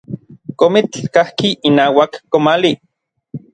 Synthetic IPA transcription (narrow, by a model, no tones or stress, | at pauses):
komit͡ɬkahkiʔːnaːwakːomali